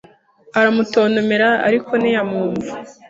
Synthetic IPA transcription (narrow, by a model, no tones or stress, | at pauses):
aɾamuto̞ːnomeɾaa̰ɾiko̞nijamuːɱvu